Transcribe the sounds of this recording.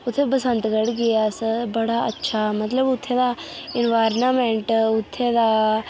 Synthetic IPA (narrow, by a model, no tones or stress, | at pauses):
ʊt̪ʰːẽːpəsə̃nt̪kəɽɡɪaːsəbəɽaːətːʃʰaːmət̪ləbʊt̪ʰːẽːd̪aːɪnʋaːɾnaːmɛ̃ːɳʈʊt̪ʰːẽːd̪aː